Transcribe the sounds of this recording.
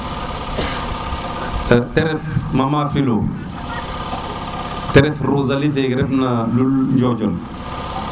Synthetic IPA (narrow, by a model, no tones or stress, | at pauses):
tɛɾɛfmamafilo | tɛɾɛfɾozalifeɡɾɛfnalulɲd͡ʒɔd͡ʒɔn